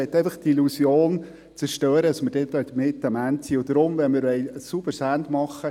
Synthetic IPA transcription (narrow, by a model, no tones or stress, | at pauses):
ɛt̪ːɛɪfəχt̪ilusjoːn | t͡sɛɾʃtøːɾədɑsməɾd̥ɛt̪œt̪mɪt̪ːəmæntsiːʊd̥̪əɾʊmʋɛnmɪɾʋɛɪsub̥əɾsænt̪mɑχːə